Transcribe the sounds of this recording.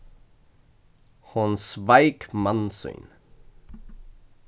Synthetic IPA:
hʊnsvajkmansʏ̰ːn

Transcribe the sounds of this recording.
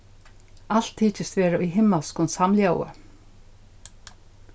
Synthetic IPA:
al̥t̪ʰːiːt͡ʃɪst̪vɛːɾaʔiɦɪmːalskʊnsamlja̰ːwʏ̰

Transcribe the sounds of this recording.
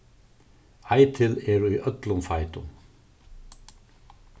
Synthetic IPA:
ajt̪ʰɪlɛɾʏjʔœt̪lʊmfajt̪ʊ̰m

